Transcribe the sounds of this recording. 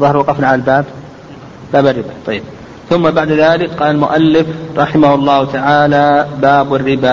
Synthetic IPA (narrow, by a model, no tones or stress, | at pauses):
ðˤɑhɾˤwɑqɑfnaʕalalbaːb | b̥aːbarːɪbat̪ˤɑjːɪb̚ | θʊmːabaʕd̪aðaːlɪkqɑːlalmʊʔalːɪfɾˤɑħɪmahʊlˤːɑːhʊt̪aʕaːlabaːbarːɪba